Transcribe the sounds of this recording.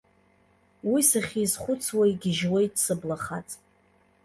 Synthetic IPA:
wisaχʲiːzχʷʊt͡sʰwaiɡʲɪʒwejtsɨblaχat͡sʼ

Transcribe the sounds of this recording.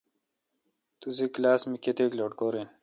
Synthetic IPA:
t̪uziklaːsmiket̪eːkloːʈkoːɾen

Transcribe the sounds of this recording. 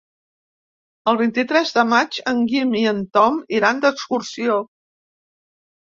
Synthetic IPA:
əlˠβint̪it̪ɾɛzðəmad͡ʒəŋɡimiənt̪ɔmiɾand̪əkskursio

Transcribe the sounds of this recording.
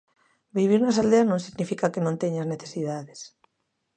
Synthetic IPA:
biβ̞iɾnɐsald̪eaznõŋsiɣnifikakenõnt̪eɲazneθesiðaðes

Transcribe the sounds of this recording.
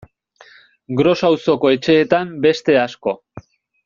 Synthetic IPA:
ɡɾo̞sawso̞ko̞e̞t͡ʃe̞ːt̪ambe̞st̪e̞asko̞

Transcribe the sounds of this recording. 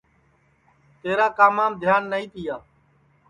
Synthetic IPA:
t̪eːɾaːkaːmaːmd̪ʱjaːnːəĩːt̪ɪjaː

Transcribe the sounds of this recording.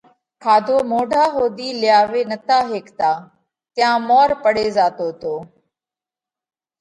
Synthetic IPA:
kʰaːd̪ʱoːmoːɖʱaːɦoːd̪iːlɪjaːʋeːnət̪aːɦeːkt̪aː | t̪ɪjãːmɔːɾpəɽeːzaːt̪oːt̪oː

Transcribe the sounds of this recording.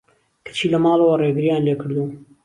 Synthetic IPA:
kʰɐ̥t͡ʃʰiːlɐmɑːlˠɐwɐreːɡɨɾijaːnleːkʰɨɾd̪u

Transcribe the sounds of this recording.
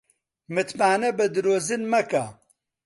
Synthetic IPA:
mɨt̪maːnɛbɨd̪ɨɾoːzɨnmɐka

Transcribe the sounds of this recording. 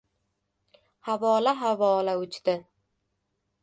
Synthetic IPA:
havɒlaɦavɒlaʊt͡ʃt̪ɪ

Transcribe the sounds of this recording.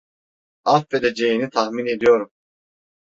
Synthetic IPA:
afed̪ed͡ʒe̞jinit̪ʰahmine̞d̪ijo̞ɾum

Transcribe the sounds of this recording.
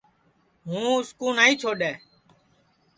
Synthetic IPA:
ɦũːʊskuːnaːiːt͡ʃʰoːɗɛː

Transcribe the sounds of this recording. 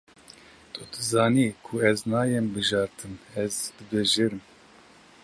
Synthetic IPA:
t̪ʰud̪ɨzɑːniːkʰuɛznɑːjɛmbɨʒɑːɾt̪ʰɨmɛzd̪̥ɨbeʒeɾɨm

